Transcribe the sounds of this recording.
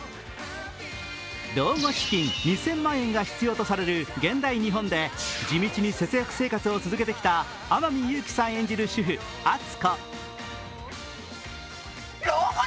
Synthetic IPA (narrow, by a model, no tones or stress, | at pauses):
d̪o̞ːmo̞ɕi̥kʲĩnɲisẽ̞mːãɰ̃ẽ̞ŋɡaçi̥t͡sɨjo̞ːt̪o̞saɾe̞ɾɯ̟ɡẽ̞nd̪aiɲ̟iɦõ̞nd̪e̞d͡ʑimʲit͡ɕiɲ̟ise̞t͡sɨjakɯ̟̥se̞ːkat͡sɨo̞t͡sɨzɨke̞t̪e̞kʲi̥t̪a | amamʲijɯːkʲi̥sãɰ̃ẽ̞ɲ̟d͡ʑiɾɯ̟ɕɨɸɯ̟ | at͡sɨ̥ko